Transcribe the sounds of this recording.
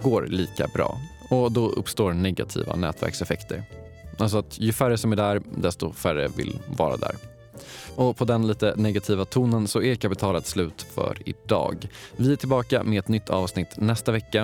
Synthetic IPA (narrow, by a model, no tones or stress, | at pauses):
ɡoːɾliːka̰bɾɑ̰ː | ɔd̪ɔʔɵ̰pːst̪oːɾnɛɡat̪ʰḭːva̰nɛ̰ːt̪ʰvæ̰ɾksɛfɛkt̪ʰəɾ | ʔals̬ɔat̪jɵfæɾəsɔmæɖæɾd̪ɛst̪ɔfærə̰vɪ̰lvɑ̰ːɾa̰d̪æ̰ːɾ | ɔpʰɔd̪ɛnliːt̪ənɛɡat̪ʰiːvat̪ʰuːnənsɔɛkʰapɪt̪ʰɑːlat̪slʉ̟ːt̪fœ̰ɾɪ̰d̪ɑ̰ːɡvɪæʈʰɪlbɑːka̰mɛɛt̪nʏt̪ʰːɑːvsnɪt̪ːnɛst̪avɛkːa